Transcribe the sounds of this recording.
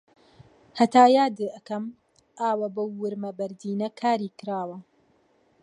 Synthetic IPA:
hɐt̪aːjaːd̪ɨʔɐkɐm | ʔaːwɐbɐwːɨɾmɐbɐɾd̪iːnɐkʰaːɾiːkɨɾaːwɐ

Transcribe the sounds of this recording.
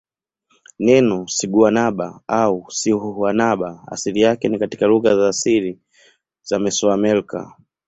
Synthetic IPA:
nɛnɔsiɡuanaɓaausihuanaɓaa̰silijakɛnikati̥kaluɣazaːsiɾi | zamɛsɔamɛlka̰

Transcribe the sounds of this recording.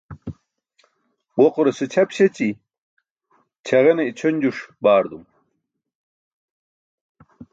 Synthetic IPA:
woquɾesɨt͡ɕʰɐpɕɐt͡ɕi | t͡ɕʰɐʁeneit͡ɕʰonʲd͡ʑuʂbaːɾd̪um

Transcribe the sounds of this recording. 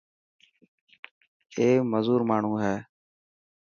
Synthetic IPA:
eːməzuːɾmaːɳ̤ũːɦɛː

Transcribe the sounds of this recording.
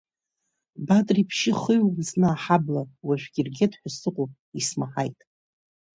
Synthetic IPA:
batʼripʰʃɪχɨjwznaːħablawaʒᶣʷɡʲirɡʲedħʷᶣasɨqʼopʼ | ismaħajtʼ

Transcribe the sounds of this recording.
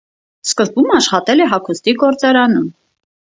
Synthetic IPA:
skəzbumɑʃχɑt̪ɛlɛɦɑkʰust̪iɡɔɾt͡sɑɾɑnum

